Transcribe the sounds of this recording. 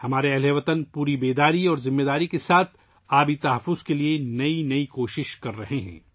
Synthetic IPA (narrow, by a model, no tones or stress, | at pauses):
hɐmaːɾeɛɦleːʋət̪ənpuːɾibeːd̪aːɾiɔːɾzɪmːeːd̪aːɾikesaːt̪ʰ | aːbʱit̪ɐɦɐfːʊz̥kelienɐinɐikoːʃɪʃkɐɾːɐɦeɦɛ̰̃ː